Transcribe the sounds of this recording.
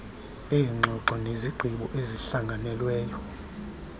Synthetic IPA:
ɛːŋ͡ǀʱɔǀʱɔneziɡ͡ǃʱiɓɔ̰ʔeziɬaŋʱanɛlwɛːjɔ

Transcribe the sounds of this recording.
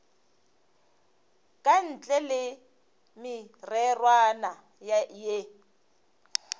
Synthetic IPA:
kʼan̩t͡ɬʼɛlɪ | mɪrɛrwana | jaje

